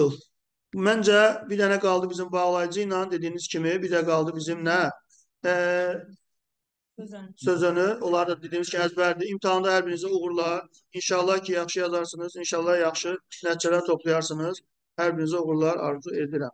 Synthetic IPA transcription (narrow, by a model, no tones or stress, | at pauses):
lˠ | mænd͡ʒæbiɾd̪ænæɡɑlˠd̪ɯbizimbɑʁlˠɑjɯd͡ʒɯjnɑnd̪e̞d̪iːniz̥cʰimibid̪æɡɑlˠd̪ɯbizimnæ | søzønyo̞lˠɑɾd̪ɑd̪e̞d̪iːniz̥cʰimæzbæɾd̪iimt̪ʰiɑnd̪ɑhæɾbiɾnizæuɣuɾlˠɑɾ | inʃɑlˠːɑhcʰijɑχʃɯjɑzɑɾsɯnɯzinʃɑlˠːɑhjɑχʃɯnæt̪t͡ʃælæt̪ʰo̞pʰlˠɑjɑɾsɯnɯz̥ | hæɾbiɾnizæuɣuɾlˠɑɾɑ̰ɾzue̞d̪iɾæm